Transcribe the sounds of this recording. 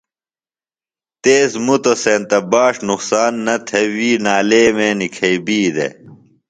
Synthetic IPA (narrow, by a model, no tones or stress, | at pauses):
t̪eːsmut̪oseːnt̪ɐbaːʂnuqsaːnːɐt̪ʰɐwiːnaːleːmeːnikʰɐibiːd̪ḛ